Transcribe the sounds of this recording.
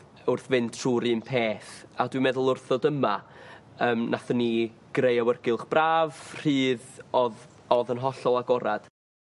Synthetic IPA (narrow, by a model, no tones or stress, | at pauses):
ʊrθvɪntʰruːɾɨnpʰeːθadwimɛðʊlˠʊrθɔdəma | əːmnʔaθənːiɡ̥rejawərɡɪlˠχb̥raːvr̥iːðɔðɔðənɦɔɬɔlˠaɡɔɾad̥